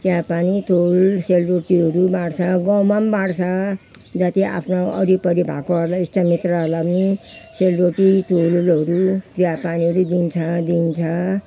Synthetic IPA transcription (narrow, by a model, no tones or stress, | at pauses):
t̪jãpanit̪olselɾoʈiɦʌɾubãɽt͡sʰʌɡʌwmambaɽt͡sʰʌd͡zat̪iʔa̰pʰnoʌɾipʌɾibʱa̰koɦʌɾlaesʈamit̪rʌlabniselɾoʈit̪ʰolulɦʌɾut̪ɾijapaniɦʌɾud̪int͡sʰʌd̪int͡sʰʌ